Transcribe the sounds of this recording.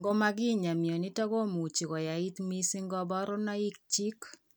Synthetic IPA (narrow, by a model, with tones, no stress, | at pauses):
ŋɡɔ˦ma˦ɡɪ˦ɲa˨mjɔ˨nɪ˦tɔ˦ɡo˦mu˨t͡ʃi˨kɔ˨ja˨i˦t̪mi˦si˦ŋɡɔ˦bɔ˦ɾɔ˦na˦i˦k̚t͡ʃi˦k